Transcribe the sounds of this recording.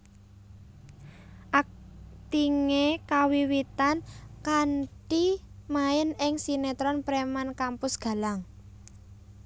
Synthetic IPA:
ʔak̚t̪iŋekawiwit̪ankaɳʈi | maɪnɪŋsinet̪ɾɔnpɾemankampʊsɡ̥ä̤laŋ

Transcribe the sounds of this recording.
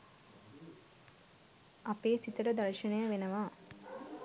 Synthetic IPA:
apeːsit̪əʈəd̪ɐɾʂɐɳəjəʋenəʋaː

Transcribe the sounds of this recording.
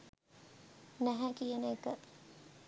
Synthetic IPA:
næɦækijeneːkəʔ

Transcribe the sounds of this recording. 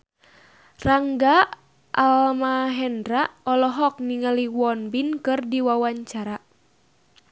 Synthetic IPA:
raŋɡa | ʔalmaɦɛndɾaɔlɔɦɔk̚niŋaliwɔnbinkɨrdiwawaɲt͡ʃaɾa

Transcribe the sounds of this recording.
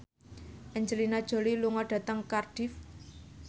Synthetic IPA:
ʔəɲd͡ʒəlinad̥ʒ̥o̤liluŋɔɖ̥a̤t̪əŋkarɖ̥if

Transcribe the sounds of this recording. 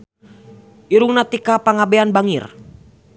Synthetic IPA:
ʔiɾuŋnat̪ikapaŋabeanbaŋir

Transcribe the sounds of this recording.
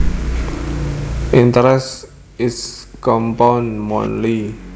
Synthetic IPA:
ʔint̪əɾɛs | ɪskɔmpawnmɔ̰̃nli

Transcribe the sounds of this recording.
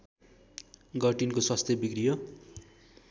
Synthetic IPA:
ɡʌʈinkoswʌst̪ʰjʌbikrijʌ

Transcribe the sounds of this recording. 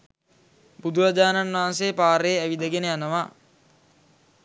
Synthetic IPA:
bud̪uɾad͡ʒaːnanʋaɦans̬ejːpaːɾejːæʋid̪əɡenəjanəʋa

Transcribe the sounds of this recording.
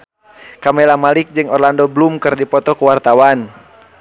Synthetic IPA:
kamɛlamalik̚d͡ʒɨŋɔrlandɔblumkɨrdipɔt̪ɔkuwart̪awan

